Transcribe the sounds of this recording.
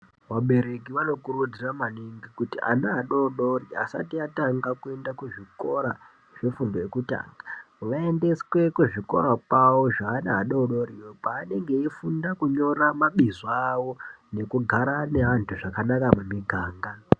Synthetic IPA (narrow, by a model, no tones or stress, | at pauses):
ʋaɓe̞ɾe̞kiʋano̞kuɾud͡ziramaniŋɡikutiʔa̰naaɗoɗo̞ria̰sa̰tiataŋɡakue̞ndakuʐiko̞ɾa | ʐ̥efundojekuta̰ːŋɡa | ʋae̞nde̞swe̞kuʐiko̞̰ɾapawo̞ʐaːnaɦaɗoɗo̞riwopaːne̞ŋɡe̞ifundakuɲo̞ɾamaɓizawo̞ne̞kuɡʱaɾane̞ɦantʰuʐakanakamumiɡʱaːŋɡa